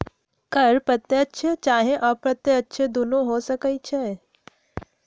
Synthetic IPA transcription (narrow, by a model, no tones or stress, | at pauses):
kɐɾpɾɐt̪jəətːʃʰet͡ʃaːɦẽʔɔːpɾɐt̪jəətːʃʰed̪ʊnoɦoːsɐkəit͡ʃʰɛː